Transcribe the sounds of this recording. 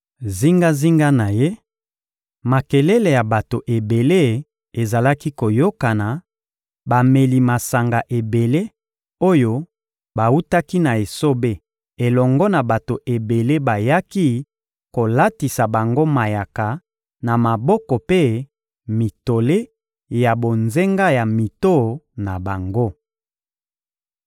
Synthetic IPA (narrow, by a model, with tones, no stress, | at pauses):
zi˦ŋɡa˦zi˦ŋɡa˦na˨je˦ | ma˨ke˨lɛ˦le˨ja˨ba˨to˨ʔe˨be˨le˦ | e˨za˨la˦ki˦ko˨jo˦ka˨na˨ | ba˨me˨li˨ma˨sa˨ŋɡa˨ʔe˨be˨le˦ | o˦jo˦ | ba˨u˦ta˦ki˦na˨e˨so˦be˦ | e˨lɔ˨ŋɡɔ˦na˨ba˨to˨ʔe˨be˨le˦ba˨ja˦ki˦ | ko˨la˦ti˨sa˨ba˨ŋɡo˦ma˨ja˨ka˨ | na˨ma˨bɔ˦kɔ˨pe˦ | mi˨to˨le˦ | ja˨bo˨nze˦ŋɡa˦ja˨mi˨to˦˨na˨ba˨ŋɡo˦